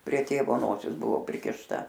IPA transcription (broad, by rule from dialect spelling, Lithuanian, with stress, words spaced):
pʲrʲiɛ ˈtʲeːʋoː ˈnoːsʲɪs ˈbʊʋoː pʲrʲɪkʲɪʃˈtɐ